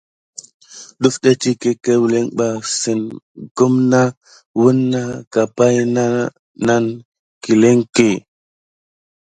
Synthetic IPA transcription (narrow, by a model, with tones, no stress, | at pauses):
ɗu˦fɗe˦ti˦ke˦ke˦wle˦ŋɓa˨si˨nɡ̥u˦mna˦ | wu˦nːa˦ka˨pa˦jna˦ | na˦n | ki˨le˦ŋke˨